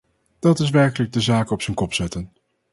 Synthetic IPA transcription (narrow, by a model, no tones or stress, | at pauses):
d̥ɑtɪs̬ʋɛɹkələɡ̚dəzaːkɔpsənkɔpsɛtən